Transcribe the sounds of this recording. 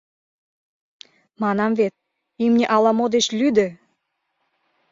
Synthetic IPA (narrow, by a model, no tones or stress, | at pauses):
mɑnɑmvet̪̚ | imnʲeʔɑlɑmod̪eʃlʲyd̪ə̆